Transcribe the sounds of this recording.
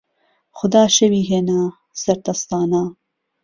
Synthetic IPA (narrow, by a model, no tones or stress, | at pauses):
xʊd̪aːʃɐwiːɦeːnaː | sɐɾt̪ɐst̪ɑːnaː